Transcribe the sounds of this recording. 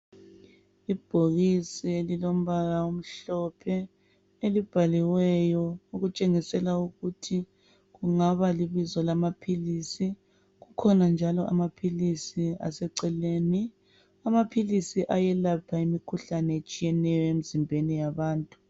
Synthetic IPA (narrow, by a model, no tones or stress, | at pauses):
ib̥ʱoɣisielilom̩βaɣaum̩ɬɔpʰɛ | elib̥ʱaliwɛjɔuɣut͡ʃʼeŋisɛlauɣutʰi | ɣuŋaβaliβizɔlamapʰiliːsi | ɣukʰɔnand͡ʒʱalɔʔa̰mapʰilisia̰sɛǀɛleːni | amapʰilisiʔajɛlapʰaimikʰuɬanɛet͡ʃʼijɛnɛjɔemizimbʱenijaβaːntʼu̥